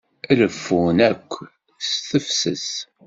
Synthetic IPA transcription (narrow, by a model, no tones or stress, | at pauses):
ləfːunækʷː | sθəfsə̰s